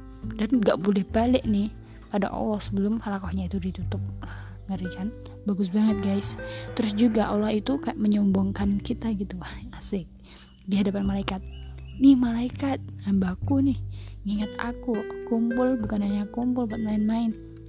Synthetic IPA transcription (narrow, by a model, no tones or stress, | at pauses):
danɡaʔbolɛhbalɪʔnɪh | pada̰ʔo̰lɔhsəbəlʊmhalakɔhɲait̪udit̪ut̪ʊp̚a | ŋəɾikan | baɡʊs̬baŋət̪̚ɡaɪst̪əɾʊsd͡ʒuɡaʔolahit̪ukʔməɲɔmbɔŋkankit̪aɡit̪uasɪk̚ | diɦadapanmalaikat̪̚nɪhmalaikat̪̚hambakunɪhŋiŋat̪akukumpʊlbukanaɲakumpʊlpat̪̚maɪnmaɪn